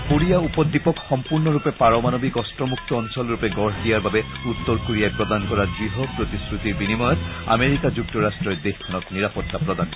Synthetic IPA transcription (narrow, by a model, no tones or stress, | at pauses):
koɹijaupɔd̪ːipɔkxɔmpuɹnɔɹupɛpaɹɔmanobikɔstɹɔmuk̚t̪ɔːnsɔlɹupɛɡɔɹd̪ijaɹbabɛut̪ːɔɹkoɹijajpɹɔd̪ankɔɹadɹiɦɔpɹot̪iskɹut̪iɹbinimɔjɔt̪a̰meɹikad͡ʒuk̚tɔɹastɹɔɹd̪exkʰɔnɔtniɹapɔt̪ːapɹɔd̪an